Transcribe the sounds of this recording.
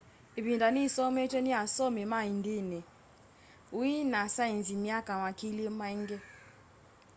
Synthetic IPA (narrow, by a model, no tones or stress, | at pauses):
ibindanisɔmɛtʰʼeniasɔmimaindini | uinasajind͡zimjakamakʰilimaiŋɡɛ